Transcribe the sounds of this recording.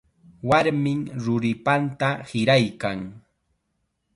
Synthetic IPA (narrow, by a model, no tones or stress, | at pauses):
waɾmɪŋɾʊɾɪpant̪ahɪɾajkaŋ